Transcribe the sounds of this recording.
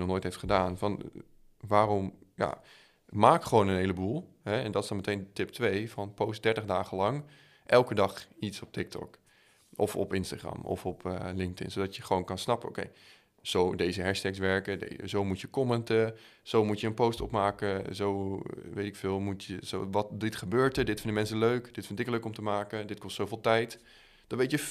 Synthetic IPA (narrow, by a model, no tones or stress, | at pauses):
nɔχnoːjtɦejftχədaːnfɑn | ʋaːrɔmja̰ | maːkχəʋownənɦejləbulˠ | ɦɛɛndɑtɪsdɑnmətejntɪp̚tʋejvɑnpowst̚dɛɹtəχdaːχəlɑŋ | ʔɛlˠkədɑχitsɔp̚tɪk̚tɔ̰k | ʔɔfɔ̰pɪnstaːχrɑ̰mɔ̰fɔpə̰lɪŋk̚tɪ̰nsodɑtjəχəʋoːnkɑnsnɑpəo̰wkḛj | z̥owdejzəɦɛɹʃtɛksʋɛɹkədḛzowmutəkɔmɛntə | z̥owmutjəənpowstɔ̰pmaːkəzowʋejtɪkfɪːlˠmutəzo̰ʋɑtdɪtχəbøːɹtədɪtfɪndəmɛnsəløɥkd̥ɪtfɪntɪkløɥkɔmtəmaːkəndɪt̚kɔstsowvɪːlˠtɛjt | d̥ɑnʋejtjə